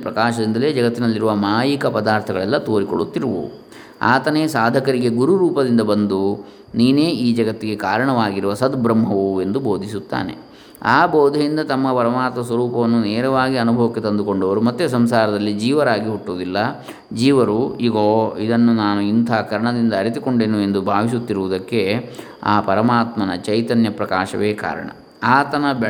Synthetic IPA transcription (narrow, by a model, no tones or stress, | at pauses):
pɾɐkaːʃɐd̪ind̪ɐle̞ːd͡ʒɐɡɐt̪ːinɐlːiɾuʋɐmaːjikɐpɐd̪aːɾt̪ʰɐɡɐɭɛlːɐt̪oːɾiko̞̰ɭut̪ːiɾuʋṵ | a̰ːt̪ɐneːsaːd̪ʱɐkɐɾiɡe̞ɡuɾuɾuːpɐd̪ind̪ɐbɐnd̪u | niːneːiːd͡ʒɐɡɐt̪ːiɡe̞kaːɾɐɳɐʋaːɡiɾuʋɐsɐd̪bɾɐmːɦɐʋue̞nd̪uboːd̪ʱisut̪ːa̰ːne̞̰ | aːboːd̪ʱɐjind̪ɐt̪ɐmːɐpɐɾɐmaːt̪mɐsʋɐɾuːpɐʋɐnːuneːɾɐʋaːɡiɐnubʱɐʋɐkːet̪ɐnd̪uko̞ɳɖɐʋɐɾumɐt̪ːesɐmsaːɾɐd̪ɐlːid͡ʒiːʋɐɾaːɡiɦuʈːuːd̪ilːɐ | d͡ʒiːʋɐɾuiɡoːid̪ɐnːunaːnuint̪ʰaːkɐɾɐɳɐd̪ind̪ɐːɾit̪iko̞ɳɖeːnue̞nd̪ubʱaːʋis̬ut̪ːiɾuʋud̪ɐkːe̞ | aːpɐɾɐmaːt̪mɐnɐt͡ʃɐjt̪ɐnjɐpɾɐkaːʃɐʋeːka̰ːɾɐ̰ɳɐ̰ | aːt̪ɐnɐ